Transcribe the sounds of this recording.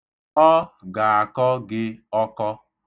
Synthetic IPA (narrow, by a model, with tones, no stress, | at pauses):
ɔ˦ɡa˨a˨kɔ˦ɡɪ˦ɔ˦kɔ˦